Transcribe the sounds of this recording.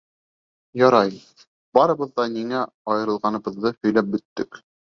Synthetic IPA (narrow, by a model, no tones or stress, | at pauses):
jɑɾɑj | bɑɾɤ̆βɤ̆ðːɑniŋæ | ɑjɤ̆ɾɤ̆lˠʁɑnɤ̆βɤ̆ðːɤhɵ̆jlæp̚bɵ̆t̪ːɘk